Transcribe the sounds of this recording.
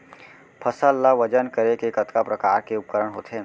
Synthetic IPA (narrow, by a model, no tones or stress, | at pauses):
pʰəsəlːaʋɐd͡ʒənkəɾekekɐt̪kapɾɐkaːɾkeʊp̚kəɾəɽɦoːt̪ɦeː